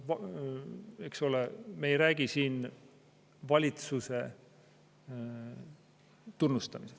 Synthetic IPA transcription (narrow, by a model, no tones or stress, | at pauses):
v | ekso̞lemeejɾæːɡ̥isiːn | vɑlʲit̪suse̞ | t̪unːust̪ɑmise